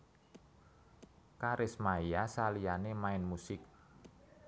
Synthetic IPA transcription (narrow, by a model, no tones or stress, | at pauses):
kaɾʔɪsmaijasalijanemaɪnmusɪk̚